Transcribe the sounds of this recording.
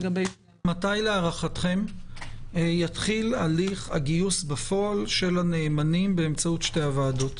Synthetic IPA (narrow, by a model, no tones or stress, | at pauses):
ɡabe | matajleaʁaχat̪χe̞m | jatχilaliχaɡiusbefo̞alʃe̞lane̞ːmanimbe̞ːmt͡sautʃte̞javaːdot̪